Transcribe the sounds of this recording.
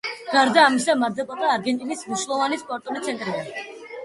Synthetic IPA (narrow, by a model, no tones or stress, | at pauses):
ɡ̥aɾd̪aːmisamad̪ɛpʼɔt̪ʼaːɾɡɛnt̪ʼinismniʃlˠɔvanispʼɔɾt̪ʼɔnit̪sʰɛnt̪ʼɾibɛ